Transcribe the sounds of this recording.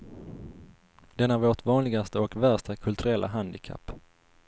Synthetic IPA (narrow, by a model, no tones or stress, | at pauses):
d̪̥ɛnæɾvoːʈvɑːnlɪɡast̪əɔkvæʂt̪akʰɵlt̪ʰɵɾɛlːʔa̰ɦand̪ɪkʰa̰pː